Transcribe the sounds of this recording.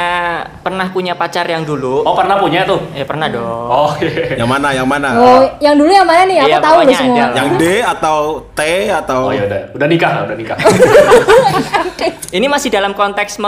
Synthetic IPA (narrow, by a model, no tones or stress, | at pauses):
apərnahpuɲapat͡ʃarjaŋduluapərnahpuɲat̪ʊhjapərnahdɔokejamanajaŋmanaojaŋdulujaŋmananɪhjajat̪audɔsəmuajaŋdeat̪awt̪eat̪awjadaudahnikahla̰udahnika | t̪ | inimasɪdalamkɔnt̪ɛksma